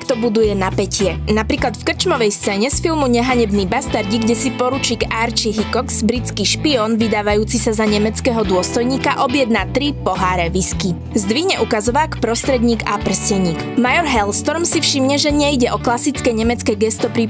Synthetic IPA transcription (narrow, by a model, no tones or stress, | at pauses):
kt̪ɔbud̪ujɛnapɛcɪɛnapɾiːklat̪fkr̩t͡ʃmɔʋɛjst͡sɛːɲɛsfilˠmuɲɛɦaɲɛbnibast̪aɾɟiɡɟɛsipɔɾut͡ʃiːkaːɾt͡ʃiɦikɔkz̥bɾit͡skiʃpiɔːnʋid̪aːʋajuːt͡sisazaɲɛmɛt͡skɛːɦɔd̪ʊɔst̪ɔjɲiːkaʔɔbjɛd̪naːt̪ɾipɔɦaːɾɛʋiski | zd̪ʋiɦɲɛʔukazɔʋaːkpɾɔst̪ɾɛd̪ɲiːkapr̩scɛɲiːk | majɔɾɦɛlst̪ɔɾmsifʃimɲɛʒɛɲɛiɟɛʔɔklasit͡skɛɲɛmɛt͡skɛɡɛst̪ɔpɾi